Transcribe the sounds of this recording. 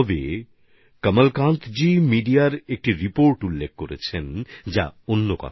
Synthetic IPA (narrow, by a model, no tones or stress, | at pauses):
bḛ | kəmalkãnt̪d͡ʑimiɖiaɾek̚ʈiɾipoɾʈulːek̚koɾet͡ɕʰend͡ʑa̰onːokɔ̰t̪ʰ